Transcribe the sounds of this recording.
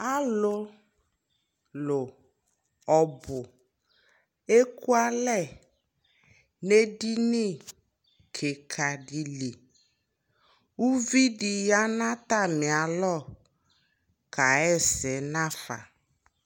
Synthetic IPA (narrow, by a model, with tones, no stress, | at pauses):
a˦lʊ˦ | lʊ˨ | ɔ˨bʊ˨ | e˦ku˦a˦lɛ˦˨ | ne˦di˦nĩ˦˨ | kʰe˨kʰa˨ɖi˨li˨ | wu˦vi˦ɖi˨ja˦nã˦t̪a˦˨mɪ˨a˨lɔ˦˨ | ka˨ɛ˦˨sɛ˨˦nã˦fa̰˨